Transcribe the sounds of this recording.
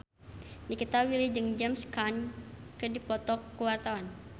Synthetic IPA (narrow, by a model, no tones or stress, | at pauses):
dikit̪awilid͡ʒɨŋd͡ʒɛmskankədipɔt̪ɔkːəwart̪awan